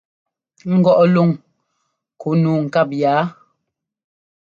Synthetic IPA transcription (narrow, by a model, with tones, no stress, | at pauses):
ŋ̩˦ɡɔ˦˨ʔlo˦˨ŋ | kʰo˨˦nu˨˦ŋ̩˨ka˦˨p̚jaː˨˦